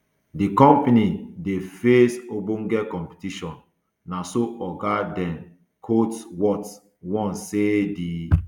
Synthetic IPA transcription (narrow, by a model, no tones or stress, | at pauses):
dikɔ̃mpanidefesobũnɡɛkɔ̃mpi̥tiʃɔ̃nː | asoɔɡadɛ̃n | kʰotswɔt | wɔ̃nsedi